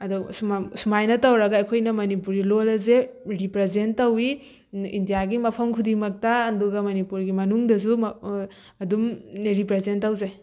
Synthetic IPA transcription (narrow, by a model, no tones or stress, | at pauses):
ɐdɔsusumajnɐtɐwɾɐɡɐːjkʰojnɐmɐnipuɾɡilolɐzeɾipɾezentːɐwi | indijaɡimɐpʰɐmkʰudimɐk̚taːnduɡɐmɐnipuɾɡimɐnuŋdɐs̬u | ɐdumɾipɾezentːɐwzaj